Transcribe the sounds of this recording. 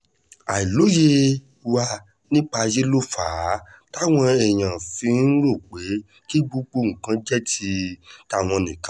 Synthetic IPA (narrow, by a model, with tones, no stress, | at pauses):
a˨i˨lo˨˦je˦ | wa˧ | nĩ˦k͡pa˧je˦lo˦faː˨˦ta˦w̃ɔ̃˧ɛ˨j̃ã˨fĩ˧n̩˦ɾo˦˨k͡pe˨˦ | ki˦ɡ͡bu˧ɡ͡bo˧ŋ̩̃˨kã˨˦d͡ʒɛ˦ti˧ta˧˨w̃ɔ̃˧nĩ˨kã˦